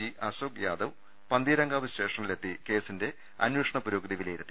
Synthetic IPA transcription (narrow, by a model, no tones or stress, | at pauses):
iʔɐsoːk̚jaːd̪ɐʋ | pɐnd̪iːɾɐŋɡaːʋɐɕte̞ːʂɐnile̞t̪ːike̞ːsinde̞ | ɐ̰nweːʂɐɳɐpuɾoːɡd̪iɐʋileːiɾut̪ːi